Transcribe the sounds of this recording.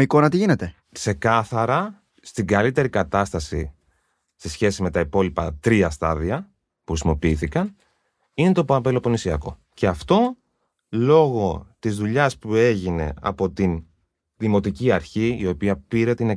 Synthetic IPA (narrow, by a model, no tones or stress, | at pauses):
iko̞nɐt̪iʝinet̪e̞ | kse̞kɐθɐɾɐ | st̪iɡɐlit̪e̞ɾikɐt̪ɐst̪ɐsḭ | se̞sçe̞sime̞t̪ɐipo̞lipɐt̪ɾiɐst̪ɐðiɐ | puxɾisimo̞piiθikɐn | ine̞t̪o̞pɐpelo̞po̞nisiɐko̞̰ | ceɐft̪o̞ | lo̞ɣo̞t̪izðuʎɐspue̞ʝine̞̰ɐ̰po̞t̪in | ðimo̞t̪iciɐɾçiio̞piɐpiɾe̞t̪ine